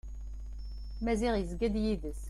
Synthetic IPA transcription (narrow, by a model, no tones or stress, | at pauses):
mæzɪʁjəzɡæd̪jiðəs